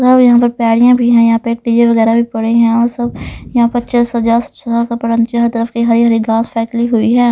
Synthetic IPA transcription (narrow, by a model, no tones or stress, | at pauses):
sɐbjɐɦãpəɾpɛːɽijãbʱiɦɛ̃jɐɦãpeːk̚ʈid͡ʒeʋəɣɛːɾabʱipɐɽeɦɛ̃ɔːɾsɐbjɐɦãːpɐt͡ʃəsɦɐd͡ʒaːɾst͡ʃakapɐɽə̃nt͡ʃɐɦəɾt̪əɾəfkiɦɐɾiɦɐɾiɡaːspʰɛːsliɦʊiɦɛː